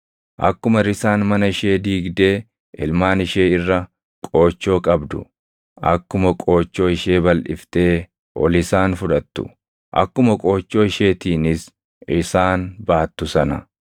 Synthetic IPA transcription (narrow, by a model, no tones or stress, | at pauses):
ʔɐ̰kːʊmɐɾɪsaːnmɐnɐɪʃe̞ːd̪iːɡd̪e̞ː | ʔɪlmaːnɪʃe̞ːɪrːɐ | kʼo̞ːt͡ʃːo̞ːkʼɐbd̪ʊ̰ | ɐ̰kːʊmɐkʼo̞ːt͡ʃːo̞ːɪʃe̞ːbɐlʔɪft̪e̞ː | ʔɔ̰lɪsaːnfʊᶑɐt̪ːʊ̰ | ʔɐ̰kːʊmɐkʼo̞ːt͡ʃːo̞ːɪʃe̞ːt̪iːnɪs | ɪsaːnbaːt̪ːʊsɐnɐ